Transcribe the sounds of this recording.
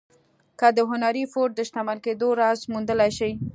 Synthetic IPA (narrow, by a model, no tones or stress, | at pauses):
kad̪əɦʊnaɾifoʈ̚d̪əʃt̪amalked̪oɾɑzmund̪əlajʃaj